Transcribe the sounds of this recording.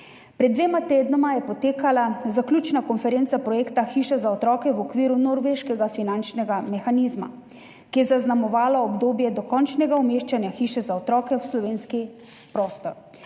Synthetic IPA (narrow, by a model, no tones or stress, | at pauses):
pɾɛd̪d̪ːʋeːmat̪eːd̪nɔmajɛpɔt̪eːkalazaklʲut͡ʃnakɔnfɛɾeːnt̪sapɾɔjeːkt̪axiːʃɛzaɔt̪ɾɔːkɛwɔkʋiːɾunɔɾʋeʃkɛɡafinant͡ʃnɛɡamɛxanizma̰ | kijɛzaznamɔʋaːlɔːbd̪oːbjɛd̪ɔkɔnt͡ʃnɛɡaumeːʃt͡ʃanjaxiːʃɛzaɔt̪ɾɔːkɛwslɔʋeːnski | pɾɔːst̪ɔɾ